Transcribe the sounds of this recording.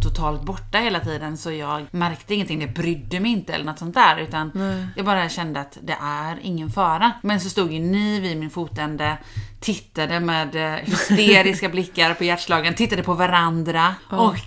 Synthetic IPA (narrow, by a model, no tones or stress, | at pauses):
t̪ʰʊt̪ʰɑːlt̪̚bɔʈːaheːlat̪ʰiːd̪ənsɔjɑːɡmæɾkt̪əɪŋənt̪ɪŋːd̪ɛbɾʏd̪ːəmɛɪnt̪əɛ̰lːəɳɔt̪ːsɔnt̪æːɾʉ̟ːt̪anjɑːɡbɑːɾaɕɛnd̪əat̪d̪ɛʔæɾɪŋːənfɑːɾamɛnsɔst̪uːɡ̪jɵniːvɪmɪnfuːt̪ɛnd̪ət̪ʰɪtt̪ːad̪əmeːd̪hʏst̪eːɾɪskablɪkːaɾpʰɔjæʈʂɭɑːɡənt̪ʰɪt̪ːad̪əpʰɔvaɾand̪ɾaɔk